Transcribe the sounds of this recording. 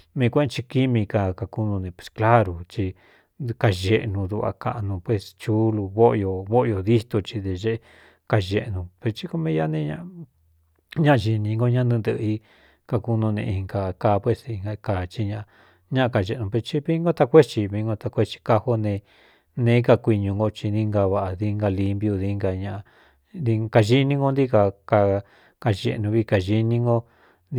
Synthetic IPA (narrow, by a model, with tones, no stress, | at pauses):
mĩ˧kʷẽ˦˧t͡ʃi˧ki˦mĩ˧ka˧ka˧ku˧nũ˧nẽ˧˨pwe̥˧˨skla˦ɾu˧t͡ʃi˧ | ka˧ʒe˧ʔnũ˧ðu˧βa̰˧ka̰˧ʔnũ˧pwe˧st͡ʃu˦lu˧βo˦ʔjo˧βo˦ʔjo˧ði˦t̪o˧t͡ʃi˧ðe˧ʒe˦˧ | ka˧ʒe˧ʔnũ˧pe˧t͡ʃi˦ko˧mĩ˦ja˦nẽ˦˧ɲã̰˦ʔ | ɲã˦ʔʒi˧nĩ˧ŋɡo˦˧ɲã˦˧nĩ˧nd̪ɨ˧ʔi˧ | ka˧ku˧nũ˧nḛ̃˧ĩ˧ŋɡa˧kaː˧˦pwe˧˨si˧ŋɡa˧ka˨t͡ʃi˧ɲã˧a˧ | ɲã˦ʔã˧ka˨ʒe˧˨˧nũ˨pe˧t͡ʃi˦βi˦ŋɡo˦t̪a˧kʷe˦t͡ʃi˧βi˧˦ŋɡo˧t̪a˧kʷe˦t͡ʃi̥˧ka˧ho˦nẽ˧ | nẽː˦ka˧kʷi˧ɲũ˧ŋɡo˧t͡ʃi˧nĩ˧ŋɡa˧βa˧ʔa˨ði˧ŋɡa˧li˧mbju˧ði˧ŋɡa˧ɲã˧ʔ | di˧ka˧ʒi˦nĩ˦ŋɡo˧nd̪i˦ka˧ka˧ | ka˧ʒḛ˧˨˧nũ˧βi˧ka˧ʒi˧nĩ˧ŋɡo˧ | n